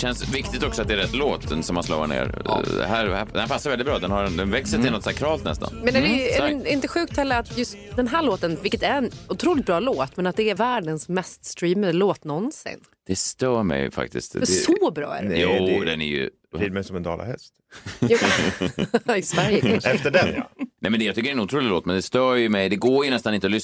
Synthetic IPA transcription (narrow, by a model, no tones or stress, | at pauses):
ɕɛnsvɪkt̪ɪkt̪ɔksɔat̪d̪ɛæɾɛt̪ːloːt̪ʰənsɔmanslɔ̰ːa̰ɳḛːɾd̪ɛ̰hæɾhæd̪ɛnhæɾpʰasːaɾvɛldɪt̪̚bɾɑːd̪ɛnhaɾɛd̪ɛnvɛksəɾt̪ɪlɔt̪ːsakʰɾɑːlt̪nɛ̰st̪ʰa̰nmɛnɛɛɛɪnt̪əɧʉ̟ːk̚t̪hɛlːəɾat̪jɵst̪d̪ɛnɦæːɭoːt̪ənvɪlkət̪æɾɛnʊt̪ʰɾuːlɪt̪̚bɾɑːloːt̪mɛnat̪̚d̪ɛæɾvæːɖənsmɛst̪st̪ɾiːmad̪əloːt̪nɔnsɪ̰n | d̪̥ɛst̪œːmɛ̰jfa̰k̚t̪ɪ̰st̪fɛsɔːbɾɑ̰ːæ̰ɖjuːd̪ɛnæ̰ɾjɵ̰ | ɾiːɾmɛjsɔmɛnd̪ɑ̰ːla̰hɛ̰st̪j | ɪsvæɾjəɛft̪əɖɛn̰nɛjmɛnɛjɑt̪ʏkːəɾɛnʊt̪ʰɾuːlɪloːt̪mɛnd̪ɛst̪œːɾjɵmɛjd̪ɛɡoːjɵnɛst̪anɪnt̪əɔlʏ